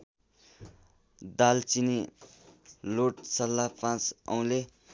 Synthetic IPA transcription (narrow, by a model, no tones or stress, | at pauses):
d̪alt͡sini | loʈsʌlːapãt͡sʌ̰w̃le